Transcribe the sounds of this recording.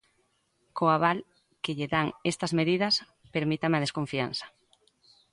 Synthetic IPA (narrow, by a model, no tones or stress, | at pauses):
koaβal | keʎeðaŋest̪ɐzmeðiðɐs | peɾmit̪amɐð̞eskoɱfianθɐ̥